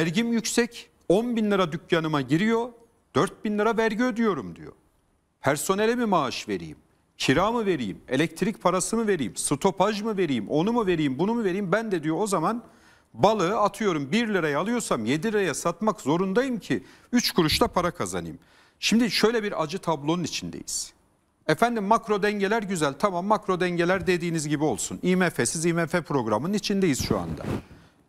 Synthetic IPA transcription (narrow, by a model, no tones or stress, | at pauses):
væɾɟimjycsɛc | onbinlʲˠɯɾad̪ycʰjanɯmaɟiɾijo̞ | d̪̥øɾt̪̚binlʲˠɯɾavæɾɟiød̪yjo̞ɾumd̪ḭjo̞̰ | pʰæɾso̞ne̞lʲɛmimaʃve̞̰ɾḭjḭm | cʰiɾaːmɯve̞ɾijime̞lʲɛc̚t̪ʰɾic̚pʰaɾasɯmɯve̞ɾijːmsɯt̪ʰo̞pʰaʒmɯve̞ɾijimʔo̞numuve̞ɾijimbunumuve̞ɾijimbænd̪ɛd̪ijo̞ozaman | balˠɯɯat̪ʰɯjo̞ɾumbiɾlʲaɾajalˠɯjo̞ɾsamje̞d̪ilʲɾajasat̪makzo̞ɾund̪ajɯmcʰi | yt͡ʃkʰuɾuʃt̪ʰapʰaɾakʰaza̰nɯ̰j̰m | ʃimd̪iʃø̞jlʲɛbiɾad͡ʒɯt̪ʰablˠo̞nunit͡ʃʰind̪ḛjḭz̥ | ɛfænd̪imːakɾo̞d̪ɛɲɟe̞lʲæɾɟyzælʲt̪ʰamamːakɾo̞d̪ɛɲɟe̞lʲæɾd̪e̞d̪iːnizɟibio̞lˠsunimɛfesizimɛfepɾo̞ɡɾamɯnnit͡ʃʰind̪ejiz̥ʃua̰nd̪a̰